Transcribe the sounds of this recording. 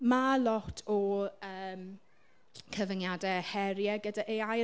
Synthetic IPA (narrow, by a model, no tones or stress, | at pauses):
malɔtʰɔəːm | kʰəvənjadɛhɛɾjɛɡədaʔeaj